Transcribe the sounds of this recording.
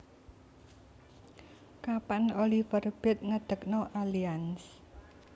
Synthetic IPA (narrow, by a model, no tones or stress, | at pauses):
kapanolifərb̥ɪt̪̚ŋəd̪̥ə̤k̚nɔʔalians